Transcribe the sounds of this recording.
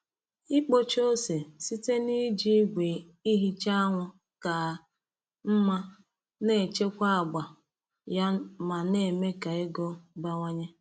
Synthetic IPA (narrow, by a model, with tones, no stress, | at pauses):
i˦k͡po˦t͡ʃo˦se˨si˦te˦ni˦d͡ʒi˦ɡʷe˨ | i˦ɦi˦t͡ʃa˦a˦ŋʷʊ˦ | ka˨ | m̩˦ma˦ | ne˨t͡ʃe˦kʷa˦a˨ɡ͡ba˨ | ja˦ma˨ne˦˨me˦ka˨e˦ɡɔ˦ba˦ŋʷa˦ɲe˦